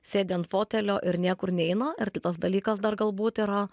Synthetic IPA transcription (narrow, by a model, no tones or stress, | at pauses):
sʲeːd̪ʲɛnt̪foːt̪ʲɛlʲoːʔɪɾnʲiɛkʊɾnʲɛɛɪnɐɪɾt̪ʲɪt̪ɐsd̪ɐlʲiːkɐsd̪ɐɾɡɐlˠbuːt̪iːɾɐ